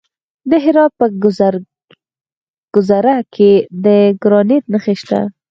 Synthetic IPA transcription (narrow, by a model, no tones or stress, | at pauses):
d̪əɦɪɾɑdt̪̚pə | ɡ̥ʊzaɾakʰed̪əɡɾɑnet̪̚nəxeʃt̪a̰